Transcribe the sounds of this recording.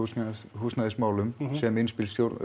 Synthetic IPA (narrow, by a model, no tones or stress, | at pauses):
ushuːsnaðɪsmaːwlʏmsɛmɪnspɪlst̪jowɾ